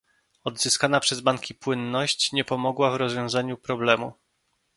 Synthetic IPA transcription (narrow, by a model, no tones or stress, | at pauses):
ɔd̪zɘskanapʂɛzbaŋkʲipwɘnːɔɕt͡ɕɲɛpɔmɔɡwavɾɔzvʲjɔ̃w̃zaɲupɾɔblɛmu